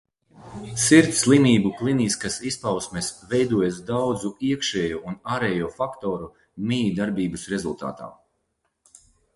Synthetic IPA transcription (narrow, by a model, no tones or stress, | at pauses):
siɾt̪slˠimiːbuklˠiniskasispawsmesvɛjd̪uɔjasd̪awd̪zuiɛkʃɛːjuːunaːɾɛjuɔfakt̪ɔːɾu | mid̪aɾbiːbɨsɾezulˠt̪a̰ːt̪a̰ː